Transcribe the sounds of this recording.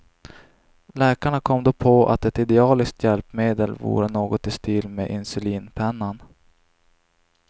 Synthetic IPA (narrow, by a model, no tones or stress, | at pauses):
lɛːkaɳakʰɔmːd̪oːpʰɔa̰t̪ɛt̪ɪd̪ɛɑːlɪsk̚t̪jɛlpmeːd̪əlvṵːɾənoːɡɔt̪ɪst̪iːlmeʔɪnsɵliːnpʰɛnːan